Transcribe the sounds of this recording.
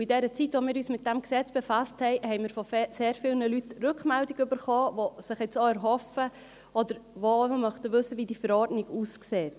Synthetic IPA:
idɛɾət͡sitʋomɪːɾyːsmɪt̚d̥æmksɛt͡sb̥efasthɛɪhɛɪmɪːɾfɔfseːɾfɪlnəlytrʏkχmɛldɪɡʏbəɾχɔːʋosɪχɪt͡soɛɾɦɔfə | ɔdəɾʋoəmœχtəʋɵsːəʋiːdifəɾɔːɾdnɪɡuskseːt

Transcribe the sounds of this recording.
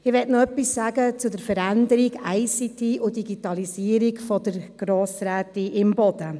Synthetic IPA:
ɪʋɛtnoœpːisːæːɡət͡sʊdəɾfəɾændəɾiɡæɪsitʰiʔudiɡitɑliziəɾiɡfɔd̥əɾɡ̥ɾoːsɾæːtiʔɪmbɔd̥̪ə

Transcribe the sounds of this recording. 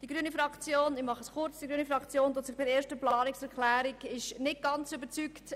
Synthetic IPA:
d̥iɡɾyːnifɾɑkt͡sjoːnɪmɑχəsχʊɾt͡sd̥iɡɾyːnifɾɑkt͡sjoːntotsɪχbɪeːɾʃtəplɑɑːnɪksɛɾkχlæːɾikɪʃnɪt̚ɡ̥ɑnt͡sʏbət͡sykt

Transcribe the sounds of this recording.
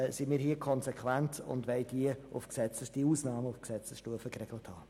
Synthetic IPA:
simiːɾhiːəkʰɔnsekʰvæntʊ̰ndʋɛɪdiəʊ̰fksɛt͡səsd̥iuːsnɑːməʊfksɛt͡səsʃtuəfəkrɛɡləthɑː

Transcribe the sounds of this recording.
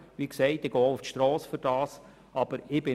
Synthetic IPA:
ʋiksɛɪtɪɡ̥ɔːʊftʃtɾɔːsfyɾd̥ɑːs | ɑb̥əɾɪb̥ɪ

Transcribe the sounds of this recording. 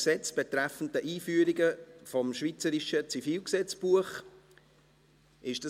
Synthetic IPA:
sɛt͡sb̥ɛt̪ɾæfn̩tdəʔiːfyəɾiɡəfɔmʃvit͡səɾiʃət͡sifiːlksɛt͡sb̥uəχ | ʔɪʃd̥ɑ

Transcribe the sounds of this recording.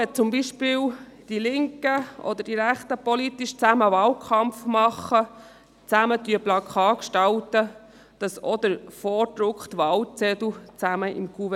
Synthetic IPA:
ɛt͡sʊmbiʃpɪːl | d̥ilɪŋkəʔɔ̰d̪əɾd̥iɾæχt̪əpɔlit̪iʃt͡sæməvɑːlkʰɑmpfmɑχə | t͡sæmətyəblɑkʰɑːkʃtɑltə | d̥ɑsɔd̪əɾfɔːdɾʊkχt̪vɑːlt͡sɛdl̩t͡sæməʔɪ̰mɡuv

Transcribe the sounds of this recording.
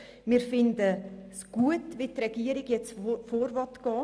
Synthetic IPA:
mɪːɾfɪndəsɡ̥uətʋɪtrɛɡiəɾɪɡjɛt͡sfoːɾvɔtɡ̥ɔː

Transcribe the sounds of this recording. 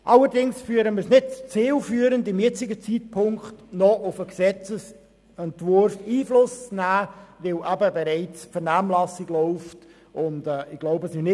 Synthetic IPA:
ʔɑləɾdɪŋsfyəɾəməsnɪd̚t͡st͡siːlfyːəɾəndɪmjɪt͡sɪɡət͡siːt̚pʰʊŋkχtnɔʔʊfəksɛt͡səs | ɛntvʊɾfiːflʊst͡snæːvɪlʔæbəbɛɾɛɪt͡sfəɾnæːmlɑsɪɡ̥lɔʊft | ʔʊndɛːɪɡ̥loʊbəsmɪnɪ

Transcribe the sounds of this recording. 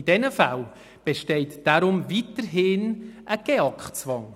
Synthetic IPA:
idɛnəfa̰l | b̥eʃteɪtd̥aɾʊmvitəɾɦɪnʔəɡ̥eɑkχt͡svɑŋ

